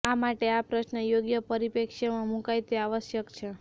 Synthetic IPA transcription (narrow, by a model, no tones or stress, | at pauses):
amaʈeapɾəʃnəjoɡjəpəɾipekʃamãmũkajt̪eaʋəʃjəkt͡ʃʰe